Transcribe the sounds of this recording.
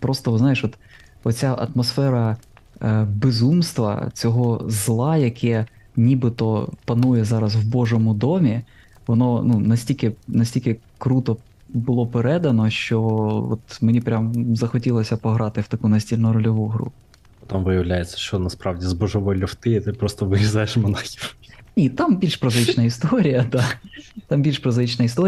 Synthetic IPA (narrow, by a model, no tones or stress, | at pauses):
pɾɔst̪ɔznajeʃʋɔt̪ | ɔt͡sʲaʔɐ̰t̪mɔsfɛɾɐ | bezumst̪ʋɐ̰t͡sʲɔɦɔzlˠɑjɐkʰɛ | nʲibɪt̪ɔpɐnujɛzɑɾɐswbɔʒɔmʊd̪ɔmʲi | ʋɔnɔnunɐsʲt̪ʲilʲkenɐsʲtʲilʲkɪ | kɾut̪ɔ | bʊlˠɔpeɾɛd̪ɐnɔʃt͡ʃɔɔ̰t̪menʲipɾʲamzɐxɔtʲilˠɔsʲɐpɔɦɾɑt̪ɪwt̪ɐkunɐsʲtʲilʲnɔɾɔlʲɔʋuɦɾṵ | ɔt̪amʋɪjɐʋlʲajet͡sʲːɐ̥ʃt͡ʃɔnɐspɾɑʋdʲizbɔʒɔʋɔlʲːɔwt̪ɪit̪ɪpɾɔst̪ɔʋɪʋʲizajeʃmɐnaxʲiwnʲit̪ambʲilʲʃpɾɔzɪt͡ʃnɐist̪ɔɾʲijɐd̪at̪ɑmbʲilʲʃpɾɔzɪt͡ʃnɐist̪ɔ